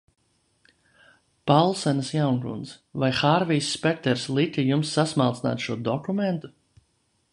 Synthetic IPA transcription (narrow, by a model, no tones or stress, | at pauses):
palˠsɛnəsjawnkṵnsvajxaːɾvijsːpɛk̚t̪ɛɾslˠik̪ʲijumsːasmalˠt̪sna̰ːt̪ʃuɔd̪ɔkumɛnt̪u̥